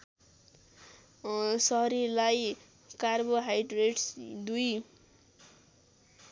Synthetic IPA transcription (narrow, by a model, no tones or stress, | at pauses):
sʌɦɾilaj | karboɦajɖreʈsd̪uj